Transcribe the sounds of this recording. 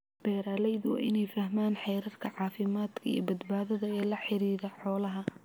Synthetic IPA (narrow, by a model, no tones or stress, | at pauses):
b̥ɛːɾaːlɛjðʊw̰ʔɪnɛjfɐɦmaːnħɛjɾɐrkʰɐʕɑːfɪmaːd̪kʰɐḭːbɐd̪baːðɐðɐɛːlɐħɪɾiːðɐħɔːlɐɦɐ